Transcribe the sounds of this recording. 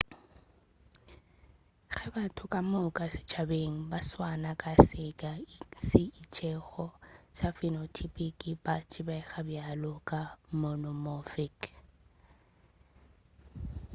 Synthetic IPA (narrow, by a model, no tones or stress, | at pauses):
ɣɛbatʰʊkʼamʊkʼasɪ̥t͡ʃʰabeŋ̩baswanakʼasɪkʼasɪit͡ʃʰʼɛɣɔsafinotʰipʼikʼibat͡ʃʼɪbɛɣabjalʊkʼamɔnɔmofɪk